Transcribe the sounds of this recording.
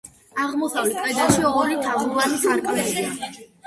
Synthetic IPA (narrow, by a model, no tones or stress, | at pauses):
aʁmɔsavlɛt̪k̪ʼwɛd̪aʃiɔɾit̪ʰazuvanikʰaɾkʼlɛlia